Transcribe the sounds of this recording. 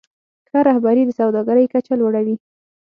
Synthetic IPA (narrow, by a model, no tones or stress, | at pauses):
xaɾahbaɾid̪əsawd̪ɑɡaɾəjkat͡ʃalwaɽawi